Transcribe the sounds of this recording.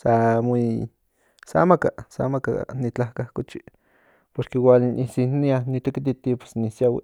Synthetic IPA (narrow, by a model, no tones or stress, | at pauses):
samui | sa̰maka̰sa̰maka̰nit͡ɬahkahkut͡ʃi | poɾkewalʔisinianit̪ekit̪it̪ipe̥snisjawḭ